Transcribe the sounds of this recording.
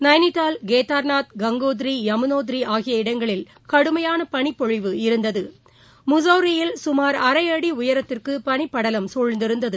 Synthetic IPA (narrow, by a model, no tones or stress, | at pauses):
nɐɪnɪʈ̪ːaːlɡeːt̪aːɾnaːt̪̚ɡɐŋɡoːðɪɾijɐmɯnoːðɪɾiaːɣɪjɐɪɽɐŋɡɐɭɪl | kɐɽɯmɐjaːnɐpɐɳɪpːɔɻɪʋɯɪɾɯnd̪ɐðɯ | mʊzɐːɾɪjɪlsʊmaːɾɐɾɐɪjɐɽiʊjɐɾɐt̪ːɪrkɯpɐɳɪpːɐɽɐlɐmsɔɻnd̪ɪɾɯnd̪ɐðɯ